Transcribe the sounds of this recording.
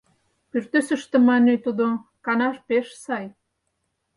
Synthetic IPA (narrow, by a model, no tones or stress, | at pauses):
pyrt̪øsə̆ʃt̪ə̆mɑnet̪ud̪okɑnɑʃpeʃsɑj